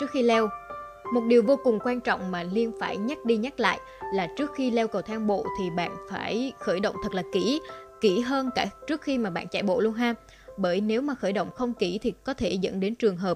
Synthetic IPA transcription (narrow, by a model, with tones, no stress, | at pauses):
t͡ɕɨ˦˥ək̚xi˧lɛ˧w | mo˨˩t̚ɗi˨˩wvo˧kʊ˨˩ŋ͡mkwaː˧nt͡ɕɔ̰˧˨wŋ͡mmaː˨˩li˧ənfaː˧˩jɲa˦˥t̚ɗi˧ɲa˦˥t̚la̰ː˧˨j | laː˨˩t͡ɕɨ˦˥ək̚xi˧lɛ˧wkə˨˩wt̪ʰaː˧ŋɓo̰˧˨t̪ʰi˨˩ɓa̰ː˧˨nfaː˧˩jxəː˧˩jɗə̰˧˨wŋ͡mt̪ʰə˨˩k̚laː˨˩ki˧˩ki˧˩ɦəː˧nkaː˧˩t͡ɕɨ˦˥ək̚xi˧maː˨˩ɓa̰ː˧˨nt͡ɕa̰ː˧˩jɓo̰˧˨lu˧ənɦaː˧m | ɓəː˧˩jne˨˦wmaː˨˩xəː˧˩jɗə̰˧˨wŋ͡mxə˧wŋ͡mki˧˩t̪ʰi˨˩kɔ˨˦t̪ʰe˧˩zə̰˧˥nɗe˨˦nt͡ɕɨ˨˩əŋɦəː˨˩p